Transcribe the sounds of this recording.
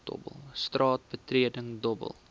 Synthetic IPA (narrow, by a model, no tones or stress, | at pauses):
d̥ɔ̰bə̰lˠstrɑːt̚bətriədəŋdɔbə̰lˠ